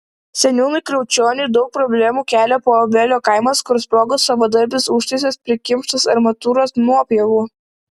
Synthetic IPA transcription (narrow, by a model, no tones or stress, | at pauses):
sʲɛnʲuːnʊɪkɾʲɛʊt͡ʃʲoːnʲɪɪd̪ɒʊk̚pɾɔbʲlʲæmuːkʲæːlʲɛpoːbʲɛlʲoːkɐɪmɐskʊɾspɾoːɡosɐʋɐːd̪ɐɾʲbʲɪsʊʃʲt̪ʲɛsʲespʲɾʲɪkʲɪmʃt̪ɐsɐɾmɐt̪uːɾoːsnuɔpʲɛʋuː